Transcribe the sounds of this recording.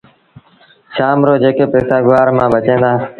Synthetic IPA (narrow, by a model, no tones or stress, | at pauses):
ʃaːmɾoːd͡ʒeːkeːpeːsaːɡʊʋaːɾmãːbət͡ʃẽːnd̪aː